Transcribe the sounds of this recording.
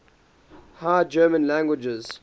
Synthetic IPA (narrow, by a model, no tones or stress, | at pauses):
haːd͡ʒɜːmə̃nlæ̃ŋɡwɪd͡ʒɪz̥